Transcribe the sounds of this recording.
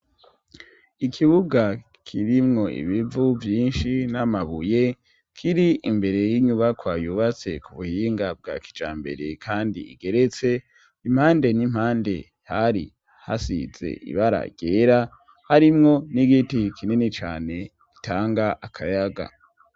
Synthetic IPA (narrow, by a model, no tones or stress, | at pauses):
ikʰiβuɡa | kʰiɾimŋo̞ʔḭβivuvjiːnʃinamaβuje | kʰiɾiimbe̞ɾe̞jiɲuβakwaːjuβat͡se̞̰kuβuhiːŋɡab̚ɡa̰ːki̥d͡ʒaːmbe̞̰ɾe̞̰kʰaːndiḭɡe̞ɾe̞t͡se̞ | im̥haːnde̞nim̥haːnde̞̰ | haɾḭ | ha̰sḭz̥e̞̰ʔḭβaɾa̰ɟ̥eːɾa | haɾimŋo̞niɡitikʰinenet͡ʃaːne̞ | ki̥taːŋɡaʔakʰajaɡa̰